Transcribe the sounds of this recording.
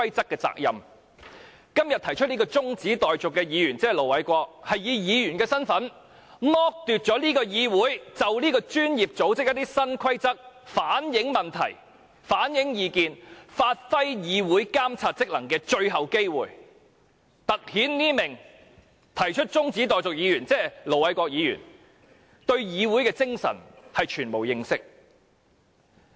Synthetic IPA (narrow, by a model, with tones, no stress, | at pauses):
kʰɐ˥jt͡sɐ˥kːɛː˧t͡sa̰ː˧k̚jɐ̰˨m | kɐ˥mjɐ˨t̪ʰɐ˨˩jt͡ʃʰɵ˥t̚ni˥kɔː˧t͡sʊ˥ŋt͡siː˨˥t̪ɔː˨jt͡sʊ˨kːɛ˧jiː˨˧jyː˨˩nt͡sɛː˥˨lo˨˩wɐ˨˥jkʷɔː˧k̚hɐ˨jiː˨˧jiː˨˧jy˨˩nkɛː˧sɐ˥nfɐ˨˥n | mɔː˥k̚t̪y˨t̚t͡ʃɔː˨˥liː˥kɔː˧jiː˨˧wuː˨˥jt͡sɐ˨wliː˥kɔː˧t͡ʃyː˥njiː˨p̚t͡so˨˥wt͡sɪ˥k̚jɐ˥t̪̚i˥sɐ˥nkʰɐ˥jt͡sɐ˥k̚faː˨˥njɪ˨˥ŋmɐ˨nt̪ʰɐ̰˨˩j | faː˨˥njɪ˨˥ŋjiː˨˧kiː˨˧nfaː˧t̚fɐ˥jjiː˨˧wuː˨˥jkaː˥mt͡sʰaː˧t̚t͡sɪ˥k̚lɐ˨˩ŋkɛː˧t͡ʃɵ˧ɥɦɐ˨wke˥jwṵː˨j | t̪ɐ˨k̚hiː˨˥nniː˥mɪ˨˩ŋ | t̪ʰɐ˨˩jt͡ʃʰɵ˥t̚t͡sʊ˥ŋt͡siː˨˥t̪ɔː˨˩jt͡sʊ˨k̚jiː˨˧jyː˨˩nt͡sɛː˥lo˨˩wɐ˧˥jkɔː˧k̚jiː˨˧jy̰ː˨˩n | t̪ɵ˧ɥjiː˨˧wuː˨˥jkɛː˧t͡sɪ˥ŋsɐ̰˨˩nhɐ˨jt͡ʃʰyː˨˩nmo˨˩wjɪ˧ŋsɪ˥k̚